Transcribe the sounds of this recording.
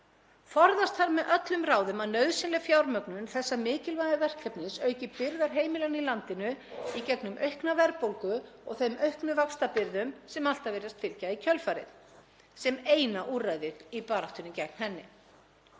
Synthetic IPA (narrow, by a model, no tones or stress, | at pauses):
fɔɾðast̪hanmɛðʔœt̪lʏmraːwðʏmaðnœɥðsɛnlɛfjawɾmœknʏnθɛsːamɪːcɪlvajðavɛr̥kʰɛpnɪsœːɥcɪpɪɾðaɾ̥ɦeːjmɪlanilant̪ɪnʏicɛknʏmʔœɥhknavɛɾpowlkʏɔɣθeɥmʔœɥhknʏvakst̪apɪɾðʏmsɛmal̥t̪avɛɾast̪fɪlcaicʰœlfaːɾɪ̰ð | sɛmeːjnaʔuːrajðɪɾipaːɾaht̪ʏnʏcɛk̚n̥hɛnːɪ